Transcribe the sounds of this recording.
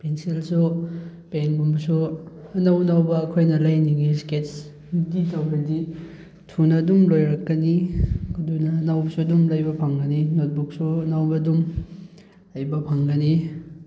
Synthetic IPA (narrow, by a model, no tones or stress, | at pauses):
pensilsupeŋbumbɐsuɐnɐwnɐwbɐːkʰojnɐlɐjniɡisket̚s | iditɐwbɐdi | tʰunɐːdumlojɾɐkːɐnikudunɐːnɐwbɐsuɐdumlɐjbɐpʰɐŋɡɐninot̚buk̚suɐnɐwbɐdum | ɐjbɐpʰɐŋɡɐni